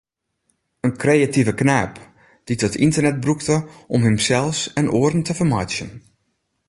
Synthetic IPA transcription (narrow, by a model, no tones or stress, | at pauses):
ənkrejativəknaːp | d̥itɔtintərnɛt̚bruktəʔɔmɦəmsɛlˠsɛnʔoːərən̩təvərmajt͡ʃjən